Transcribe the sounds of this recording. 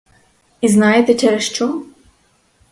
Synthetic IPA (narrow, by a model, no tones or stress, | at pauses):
iznɑjet̪ɛt͡ʃɛɾɛʃt͡ʃɔ